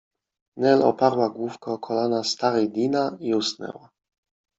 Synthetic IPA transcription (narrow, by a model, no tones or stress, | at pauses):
nɛlɔ̰paɾwaɡwufkɔkʰɔlanast̪aɾɛjd̪ʲinaiusnɛ̰wa